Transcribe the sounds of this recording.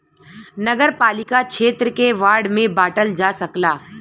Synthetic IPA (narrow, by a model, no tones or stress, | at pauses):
nɐɡəɾpaːlɪkakʃʰeːt̪ɾəkeʋaːɾɽmẽbaːʈəld͡ʒasɐklaː